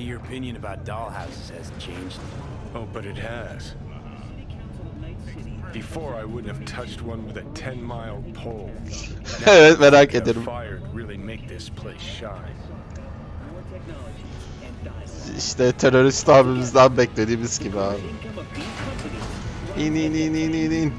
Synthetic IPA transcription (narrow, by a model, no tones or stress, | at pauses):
ə˞ɨpʰɪ̃njɨ̃nɨbaʊt̚d̥ɑlˠhaʊsɨz̥ɨz̥t͡ʃʰẽɪ̃nd͡ʒd | oʊbʌɾɨt̚hɨz̥ | b̥ɨfɔɹaɪwʊdⁿn̩hɨv̥tʰʌt͡ʃt̚wʌ̃nwɨðɨtʰɛ̃nmaɪlˠpʰoʊlˠ | ɛvɛ̃naɪkɛ̃d̪ɪɾmfaɪə˞d̚ɹɪlˠimeɪk̚ðɪspʰl̥eɪsʃaɪ | iʃt̪ɛt̪ʰɛɾəɾɪst̪abɪmzdambɛk̚d̪eɾimɪskiban | ninininĩnini